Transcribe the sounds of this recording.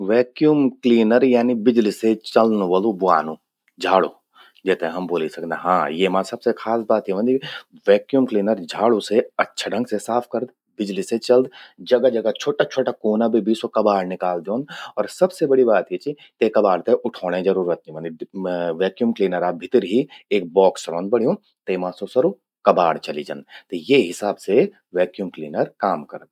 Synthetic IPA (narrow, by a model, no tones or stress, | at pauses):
ʋɛːkjuːmkliːnəɾjaːnibɪd͡ʒliset͡ʃɐlnũʋəlubʊaːnũː | d͡ʒʱaːɽo̰ | d͡ʒɛːt̪eɦɦɐmboːlisɐkd̪aɦãːjeːmãsɐb̥sexʰaːsbaːt̪ɦiʋɐ̃nd̪i | ʋɛːkjuːmkliːnəɾd͡ʒʱaːɽuseɐtːʃʰaɖɐ̃ŋɡsesaːpʰkɐɾd̪ | bɪd͡ʒliset͡ʃɐld̪d͡ʒɐɡad͡ʒɐɡat͡ʃʰoːʈat͡ʃʰoːʈakoːnabʱibiːsokɐbaːɽnɪkaːld̪jõːnd̪ɔːɾsɐbsebɐɽibaːt̪ɦit͡ʃi | t̪ekɐbaːɽt̪ẽʔʊʈʰoːɽ̃ẽd͡ʒɐɾuːɾət̪̚iʋɐ̃nd̪iʋɛːkjuːmkliːnəɾaːbʱɪt̪əɾɦieːk̚bɔːksɾõːnd̪bɐɽ̤ijõ | t̪eːmãːsosɐɾu | kɐbaːɽt͡ʃɐlid͡ʒɐ̰nt̪ejeɦɪsaːbse | ʋɛːkjuːmkliːnəɾkaːmkɐɾd̪̚